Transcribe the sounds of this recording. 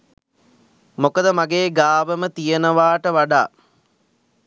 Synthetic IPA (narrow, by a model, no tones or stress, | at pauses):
mokəd̪əmaɡeːɡaːʋəmət̪ijənəʋaːʈəʋaɖa̰ː